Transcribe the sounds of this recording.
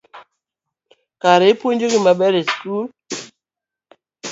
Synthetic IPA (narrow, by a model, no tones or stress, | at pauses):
kaɾepoɲd͡ʒoɡimaɓɛɾeskul